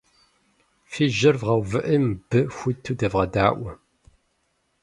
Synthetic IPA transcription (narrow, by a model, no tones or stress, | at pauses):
fiːʒɪrvʁɐwvɨʔəmb̥ɨxʷʊtʰːudɐvʁɐdaːʔʷɐ